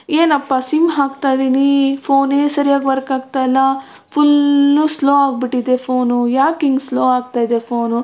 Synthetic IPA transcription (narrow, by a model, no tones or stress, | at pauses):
eːnɐpːaːsimɦaːɡt̪ajd̪iːnipʰoːneːsɐɾijaːɡʋɐɾɐkaːɡ̚t̪ajlːɐ | pʰulnusloːaːɡ̚biʈːid̪epʰoːnujaːkiŋɡsloːaːɡt̪aːjd̪epʰoːnu